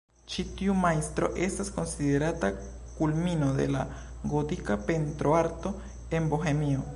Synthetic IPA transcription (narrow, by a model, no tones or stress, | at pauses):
t͡ʃit̪jumaist̪ɾo̰ʔest̪askonsiðeɾat̪a | kulminoðḛla̰ | ɡot̪ikapent̪ɾoaɾt̪o | emboxemio